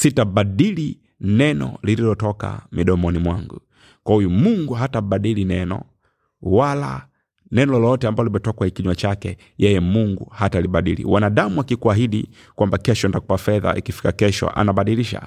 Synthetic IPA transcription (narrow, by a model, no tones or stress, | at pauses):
sitaɓaɗili | nɛnɔ̰lililɔtɔka̰miɗɔmɔnimwaŋɡu | kwahujumuŋɡuɦataɓaɗilinɛnɔ̰ | wala̰ | nɛnɔlɔlɔtɛambalimɛtɔkwaikiɲwat͡ʃakɛ | jɛjɛmuŋɡuhataliɓaɗḭlḭwanaɗamuakikuaɦiɗi | kwambakɛʃɔntakupafɛða̰ʔḭkifi̥kakɛʃɔ̰ʔa̰naɓaɗiliʃa̰